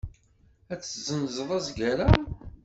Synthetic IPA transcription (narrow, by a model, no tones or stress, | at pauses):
æt͡sːzənzˤəðˤɑzɡæɾa